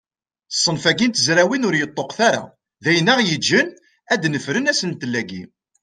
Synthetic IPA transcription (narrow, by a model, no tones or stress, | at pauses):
sˤːənfæɡint̪əzɾæwinʊɾjət̪ˤːoqθaɾa̰ | ðæjənːæʁjəd͡ʒːən | æd̪nəfɾənæsənt̪əlːæɡḭ